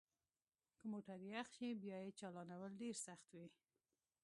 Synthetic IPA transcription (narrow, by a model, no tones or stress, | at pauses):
kəmoʈaɾjaxʃibjɑjet͡ʃɑlɑnawəlɖeɾsaxt̪wi